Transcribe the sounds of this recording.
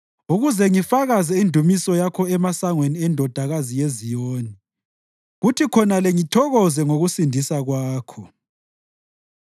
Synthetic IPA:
uɣuzɛŋifaɣazɛindʱumisɔjakʰɔɛmasaŋweniɛndʱɔd̥ʱaɣazijezijoːni | ɣutʰikʰɔnalɛŋitʰɔɣɔzɛŋoɣusindʱisaɣwaːkʰɔ

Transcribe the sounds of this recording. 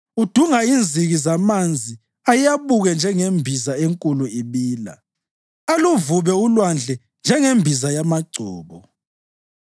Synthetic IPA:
ud̥ʱuŋaind͡zʱiɣizamand͡zʱi | ajjaβuɣɛnd͡ʒʱɛŋembʱizaeŋkʼuluiβiːla̰ | aluvuβɛulwand͡ɮʱɛ | nd͡ʒʱɛŋembʱizajamaɡ͡ǀʱɔːβɔ

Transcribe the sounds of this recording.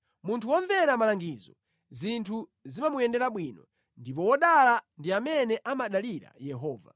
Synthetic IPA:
muntʰuwɔɱvɛɾamalaŋɡizɔ̰ | zintʰuzimamujɛndɛɾaɓwinɔ | ndipɔwɔɗalandiamɛnɛʔamaɗaliɾa̰jɛɦɔːva̰

